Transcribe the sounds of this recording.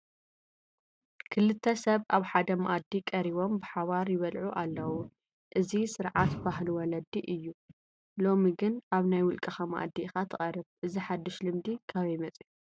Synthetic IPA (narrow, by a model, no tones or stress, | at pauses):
kʰɨlɨt̪ʰːɐsɐβʔaβħad̪ɐmɐ̰ʔad̪ːikʼɐɾiβo̞mbɨħaβaɾjɪβɐlʕuʔalːɐwu | ʔɨzisɨɾʕat̪baɦluwɔlɐd̪ːiʔɨjːu | lo̞miɡɨnʔaβnajwʊlkʼɐxamɐ̰ʔa̰d̪ːixat̪ʰɨχʼɐɾɨβʔɨziħad̪ːɨʃlɨmd̪ikʰaβɐjmɐt͡sʼju